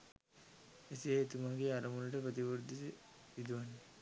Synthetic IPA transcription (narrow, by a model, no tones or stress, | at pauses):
esiet̪umaːɡeaɾɐmulɐʈəpɾət̪̬iʋuɾd̪isiʋid̪uʋanːe